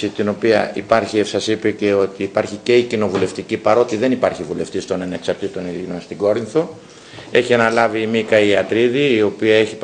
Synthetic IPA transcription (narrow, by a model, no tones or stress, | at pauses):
it̪ino̞piɐ̰ipɐɾçisɐsipece̞o̞t̪iːpɐɾçice̞icino̞vule̞ft̪icipɐɾo̞t̪iðe̞nipɐɾçivule̞ft̪ist̪o̞nɐne̞ksɐɾt̪it̪o̞niðinonst̪iɡo̞ɾinθo̞ | e̞çiɐnɐlɐviːmikɐiɐt̪ɾiðiːo̞piɐe̞çip